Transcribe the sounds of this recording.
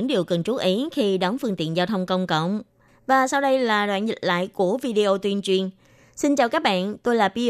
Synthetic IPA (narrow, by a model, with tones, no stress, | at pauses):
ŋɗi˨˩əwkə˨˩nt͡ɕu˦˥t̚ʔi˨˦xi˧ɗɔ˨˦nfɨ˧ŋt̪ḭ˧˨ənzaː˧wt̪ʰə˧wŋ͡mkə˧wŋ͡mkə̰˧˨wŋ͡m | vaː˨˩sa˧wɗə˧jlaː˨˩ɗwa̰ː˧˨nzḭ˨˩t̟̚la̰ː˧˨jku˧˩əvi˧ɗi˧ʔo˧t̪wi˧ənt͡ɕwi˧ən | si˧nt͡ɕaː˨˩wkaː˦˥k̚ɓa̰ː˧˨nt̪o˧jlaː˨˩vi˧